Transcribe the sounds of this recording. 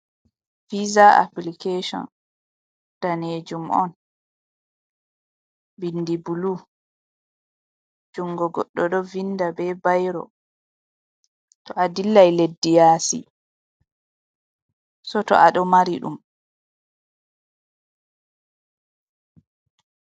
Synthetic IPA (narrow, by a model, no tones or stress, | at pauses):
fizaa̰plikeʃɔ̰n | d̥aneːd͡ʒumʔɔ̰n | bindibulu | d͡ʒuŋɡɔɡɔɗːɔɗɔvindabɛbajɾɔ̰ | tɔʔadilːajledːijaːsḭ | sɔtɔ̰ʔaɗɔmaɾiɗṵm